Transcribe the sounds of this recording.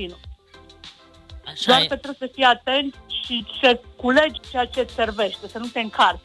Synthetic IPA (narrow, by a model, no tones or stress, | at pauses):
inu | d̪oarket̪ɾebsəfijat̪e̞nt̪sʲʃisəkule̞d͡ʒt͡ʃeat͡ʃe̞se̞rve̞ʃt̪e̞sənut̪e̞ɨŋkʰart